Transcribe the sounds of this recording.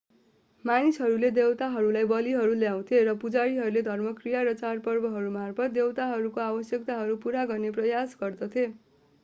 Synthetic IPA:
manisɦʌɾuled̪ewt̪aɦʌɾulajbʌliɦʌɾuljaw̃t̪ʰieɾʌpud͡zaɾiɦʌɾuled̪ʱʌrmʌkrijaɾʌt͡sarpʌrbʌɦʌɾumarpʰʌt̪̚d̪ewt̪aɦʌɾukoabʌsjʌk̚t̪aɦʌɾupuɾaɡʌrneprʌjasɡʌrd̪ʌt̪ʰie

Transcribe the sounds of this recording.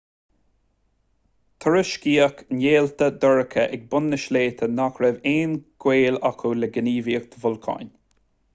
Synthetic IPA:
t̪ʰəɹəʃkiːəkneːlt̪əd̪ɔɹəkʰəʔɛɡ̚bʊnːəʃleːt̪ʰənakɾɛveːnɡ̥weːlakʰoləɡəniːviːək̚d̪̥ʰəvʊlkʰa̰n

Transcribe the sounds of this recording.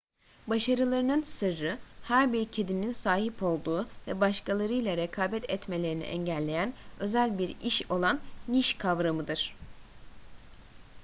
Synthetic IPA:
baʃaɾɯlˠaɾɯnɯnsɯɾːɯhæɾbiɾcʰe̞d̪ininsaːɦipʰo̞lˠd̪uːvɛbaʃkalˠaɾɯjlˠaɾekʰaːbɛt̪ʰɛt̪me̞lʲe̞ɾinḭʔɛ̰ɲɟælʲːe̞jænø̞zælʲbiɾiʃo̞lˠanniʃkʰavɾamɯd̪ɯɾ̥

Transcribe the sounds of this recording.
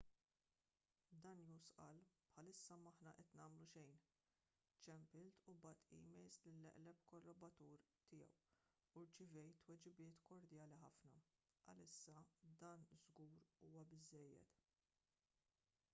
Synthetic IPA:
d̪ɐnjusʔɐlpħɐlɪsːɐmːɐħnɐʔɛt̪nɐːmluʃɛjn | t͡ʃɛmpɪlt̪ʰubɐːt̪ḭːmɛjlslɪlːɛ̰ʔlɛpkɔrɔbɐt̪uːɾt̪ɪjɛ̰w | uɾt͡ʃɪvɛjt̪ːwɛd͡ʒɪbɪːt̪kɔɾd̪jɐːliħɐfnɐ | ʔɐ̰lɪsːɐd̪ɐːnzɡuːɾuːwɐbɪzːɛjːɛ̰t̪

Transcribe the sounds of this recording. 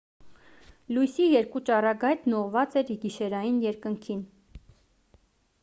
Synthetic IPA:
lujsijɛɾkut͡ʃɑrɑɡɑjt̪nɔʁvɑt͡sɛɾɡiʃɛɾɑjinjɛɾkəŋkʰin

